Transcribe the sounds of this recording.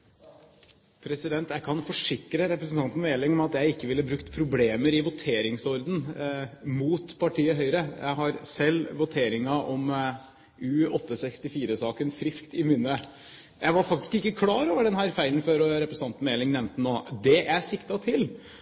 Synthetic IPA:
pʰɾɛsɪd̪ɛnt̪jæɪkʰɑnfɔʂɪkɾəɾɛpɾəsn̩t̪ɑnt̪n̩meːlɪŋɔmɑt̪jæɪɪkːəʋɪlːəbɾʉkt̪pʰɾʊbleːməɾɪʋʊt̪ʰeːɾɪŋsɔɾd̪ən̩ | muːt̪pʰɑʈʰiːəɦœʏɾəjæ̰ɪɦɑɾsɛlːʋʊt̪ʰeːɾɪŋɑʔɔm | ʉːɔt̪ʰːəsɛkst̪ɪfiːɾəsɑːkənfɾɪskt̪ɪmʏnːə | jæɪʋɑɾfɑkt̪ɪ̥skɪkːəkʰlɑːɾoːʋəɖɛnɦæːɾfæɪlən̩føːɾɔɾɛpɾəsn̩ɑnt̪n̩meːlɪŋnɛʋnt̪ənoːd̪ɛʔæsɪkt̪ɑt̪ʰɪl

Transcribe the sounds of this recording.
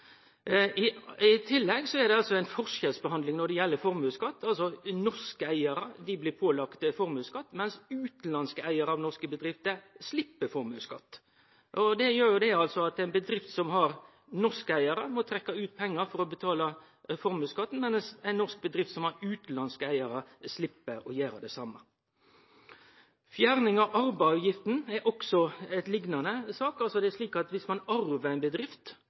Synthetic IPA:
ɪɪt̪ʰɪlːɛɡsɔɛɾd̪ɛɑlsɔæɪnfɔʂɛlsbəɦhɑnd̪lɪŋnɔɖɛjɛlːəfɔɾmʉːskɑt̪ːɑlsɔnɔskəæɪəɾəd̪ɪblɪːɾpʰoːlɑkt̪əfɔɾmʉːskɑt̪ːmɛnsʉːt̪n̩lɑnskəæɪəɾəɑʋnɔʂkəbəd̪ɾɪft̪əslɪpːəfɔɾmʉːskɑt̪ː | ʔɔd̪ɛjøːɾjʊd̪ɛɑlsɔɑt̪æɪnbəd̪ɾɪft̪sɔmɦɑɾ | nɔskəæɪɑɾəmɔt̪ʰɾɛkːɑʉːt̪̚pʰɛŋːəɾfɔɾɔbət̪ʰɑːlɑ | fɔɾmʉːskɑt̪ːn̩mɛnsæɪnːɔsk̚bəd̪ɾɪft̪sɔmhɑɾʉːt̪lɑnskəæɪɑɾəslɪpːəɾɔjæːɾə̰d̪ɛsɑmːə | fjæːɾnɪŋɑʋʔɑɾbɑɑjɪft̪n̩ɛɾʔɔksɔɛt̪lɪɡnɑnəsɑːkɑlsɔd̪ɛæʂliːkɑt̪ʋɪsmɑnɑɾʋəæɪnbəd̪ɾɪft̪

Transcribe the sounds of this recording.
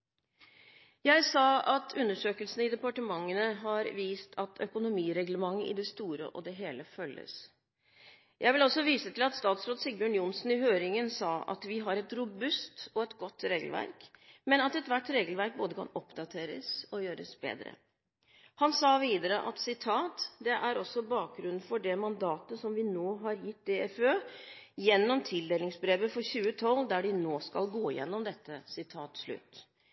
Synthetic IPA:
jæɪsɑːɑt̪ʰʉnːəʂøːkəlsn̩əɪd̪ɛpɑʈəmɑŋːənəɦɑɾʋiːst̪ʰɑt̪ʰœkʊnʊmiːɾɛɡləmɑŋːəʔɪ̰d̪ɛst̪uːɾə̰ʔɔ̰d̪ɛɦeːləfœlːə̰s | jʔæɪʋɪlɔsːɔʋiːsət̪ʰɪlɑt̪st̪ɑːt̪sɾoːd̪sɪɡ̚bəɳjʊnsn̩ɪhøːɾɪŋənsɑːʔɑ̰t̪ʋɪɦɑɾɛt̪ɾʊbʉst̪ɔɛt̪ɡɔt̪ːɾeːɡəlʋæ̰ɾkmɛnɑt̪ɛt̪ʋæʈːɾeːɡəlʋæɾk̚boːd̪əkʰɑ̰nɔpd̪ɑt̪ʰeːɾə̰sɔjøːɾə̰sbḛːd̪ɾə̰ | hɑnsɑːʋiːd̪əɾəʔɑ̰t̪sɪt̪ʰɑːt̪d̪ɛʔæɾɔsːɔbɑːk̚ɡɾʉnn̩fɔɖɛmɑnd̪ɑːt̪əsɔmʋɪnoːɦɑɾjɪt̪ːɪɛføːjɛnːɔmt̪ʰɪld̪eːlɪŋsbɾeːʋəfɔɾçʉːət̪ʰɔlːd̪æɖɪnoːskɑ̰lɡoːɪ̰jɛ̰nːɔmd̪ɛt̪ːəsɪt̪ʰɑːt̪ʂɭʉ̰t̪ː

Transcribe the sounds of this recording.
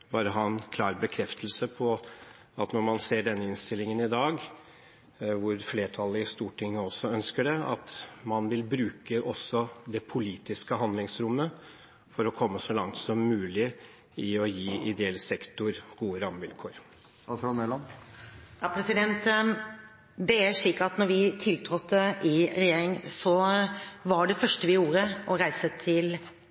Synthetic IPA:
bɑːɾəɦɑːɛnkʰlɑːɾbəkʰɾɛft̪ʰəlsəpʰɔ | ɑt̪nɔɾmɑnseːɖɛnːəɪnst̪ɪlɪŋənɪd̪ɑːɡ | ʋʊɾfleːʈʰɑlːəɪst̪uːʈʰɪŋːəɔsːɔœnskəɖɛɑ̰t̪mɑnʋɪlbɾʉːkəʔɔsːɔd̪ɛpʰʊliːt̪ɪskəɦɑnd̪lɪŋsɾʊmːə | fɔɾɔkʰɔmːəsɔlɑŋt̪sɔmːʉːlɪ | ɪɔjiːɪd̪ɛɛlsɛkt̪ʊɾɡ̥uːəɾɑmʋɪlkʰoːɾ | ɑtɾɔmɛlːɔm | jɑpʰɾɛsɪd̪ɛnt̪ | d̪ɛæɾʂɭiːkɑt̪nɔɾʋɪt̪ʰɪlt̪ʰɾɔt̪ːəʔɪɾɛjeːɾɪŋsɔ | ʋɑɖɛfœʂʈəʋɪjuːɾəʔɔɾæɪsət̪ʰɪl

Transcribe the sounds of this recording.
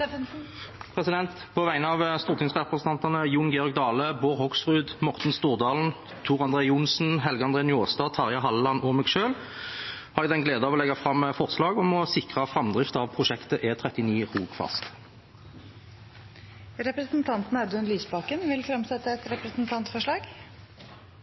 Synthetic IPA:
pʰʁɛsɪd̪ɛnt̪pʰɔʋæɪnəɑʋst̪uːʁt̪ʰɪŋsʁɛpʁəsn̩ɑnt̪ɑnəjʊŋɡɛːɔʁɡ̚d̪ɑːləboːʁhɔksfʁʉːd̪mɔʁt̪n̩st̪uːʁd̪ɑːln̩ | t̪ʰuːʁɑnd̪ʁeːʊnsn̩ɦɛlɡəɑnd̪ʁeːnɪoːst̪ɑːt̪ʰɑʁjɑɦɑlːɑnɔmɛɡʃøːl | hɑʁd̪ɛd̪ɛnɡleːd̪əɑɔʋɔlɛɡɑfʁɑmːfɔʁslɑːɡɔmɔsɪkʁɑfʁɑmd̪ʁɪft̪ɑʋpʰʁʊʃɛkt̪əʔɛt̪ʰʁɛt̪ɪniːʁuːɡ̥fɑ̰st̪ | ɾɛpɾəsnt̪ʰɑnt̪n̩ɛd̪ənlyːsbɑkənʋɪlfɾɛmsɛt̪ːəɛt̪ɾɛpɾəsnt̪ʰɑnt̪fɔʂɭɑːɡ

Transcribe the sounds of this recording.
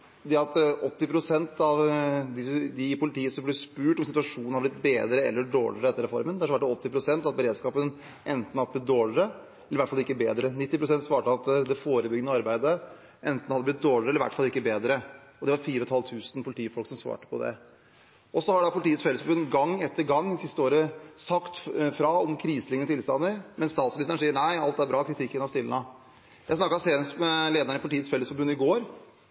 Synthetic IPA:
d̪ɛɑt̪ɔt̪ːɪpʰɾʊsɛnt̪ʰɑʋd̪ɪd̪ɪpʰʊlɪt̪ʰiːəsɔmblɛspʉːʈɔmsɪt̪ʉɑʂuːnhɑɾblɪt̪beːd̪ɾəɛ̰lːəɖo̰ːɭɪɾəɛt̪ːəɾɛfɔ̰ɾmənɛhɑʂʋɑːʈ̚ːɔt̪ːɪpʰɾʊsɛnt̪ɑt̪̚bəɾeːd̪skɑːpən | ʔɛnt̪n̩ɑd̪əblɪt̪̚d̪oːɭɪɾə | ɛlːəɾʋæʈfɑlɪkːəbeːd̪ɾənɪt̪ːɪpɾʊsɛnt̪sʋɑːʈəɑt̪d̪ɛfoːɾəbʏɡənəɑɾbæɪd̪ə | ʔɛnt̪n̩hɑd̪əblɪt̪̚d̪oːɭɪɾəɛlːəɾʋæ̰ʈfɑlɪkːəbeːd̪ɾəɔd̪ɛʋɑɾfiːɾəɔt̪ʰɑlt̪ʰʉːsn̩pʰʊlɪt̪ʰiːfɔlksɔmsʋɑ̰ːʈə̥pʰɔd̪ɛ̰ | ɔsɔhɑɖɑpʰʊlt̪iːətsfɛləsfɔbʉnɡɑŋːɛt̪ʰːəɾɡɑŋːɪsɪst̪əoːɾəsɑkt̪fɾɑɔmkʰɾiːslɪŋːəət̪ʰɪlst̪ɑnːəɾmɛnst̪ɑːt̪sɑʋɪsnəʂsiːəɳæɪɑlt̪æɾbɾɑːkʰɾɪt̪ʰɪkːənɑst̪ɪlə̰nɑ | jæɪsnɑkːɑseːnsmɛleːd̪əɳəɪpʊɪt̪iːət̪sfɛlːəsfɔɾbʉnːɪɡoːɾ

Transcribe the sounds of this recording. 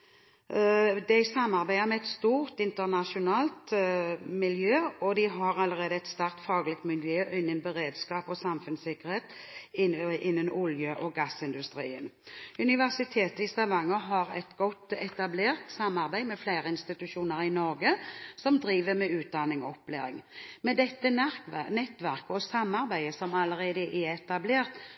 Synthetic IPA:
d̪ɛɪsɑmːɑʁbæɪəmɛɛt̪st̪uːʁt̪ɪnt̪əʁnɑʃʊnɑːlt̪mɪljøːɔd̪ɪɦɑɾɑləʁeːd̪əɛt̪st̪æʁk̚t̪fɑːɡlɪt̪mɪljøːʔɪnːənbəʁeːd̪skɑːpɔsɑmfʉnsɪkəʁɾheːt̪ | ʔɪnːənʊljəʔɔɡɑsɪnd̪ʉst̪ɾḭːənʉnɪʋæʁsɪt̪ʰeːt̪əɪst̪ɑʋɑŋːəɦɑɾɛ̰t̪ɡɔt̪ːɛt̪ɑbleːʁt̪sɑmːɑʁbæɪmɛflæɪʁəɪnst̪ɪt̪ʉʃuːnəɾɪnɔɾɡəsɔmd̪ɾiːʋəmɛʉːt̪̚d̪ɑnɪŋɔɔpːleːɾɪŋmɛd̪ɛt̪ːənɛt̪ːʋæʁkəɔsɑmːɑʁbæɪəsɔmɑləɾeːd̪əʔɛɛt̪ɑbleːʁt̪

